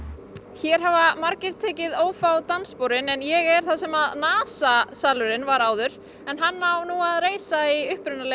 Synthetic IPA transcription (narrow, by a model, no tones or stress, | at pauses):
çɛɾ̥ɦavamaɾcɪɾ̥t̪ʰɛːcɪðoːwfawt̪anspoːwɾɪnɛnjɛɣɛɾ̥θasɛmaðnaːsasaːlʏɾɪnvaɾaːwðʏɾ̥ | ɛnɦanːawnuaðreːjsaiʏhpɾʏnːale